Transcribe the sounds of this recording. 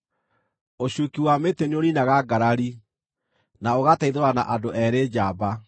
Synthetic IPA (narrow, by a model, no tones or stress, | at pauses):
oɕukiwameteneoɾinaɣaɡaɾaɾi | naoɣataiðoɾana̰ʔadoʔɛɾed͡ʑaːba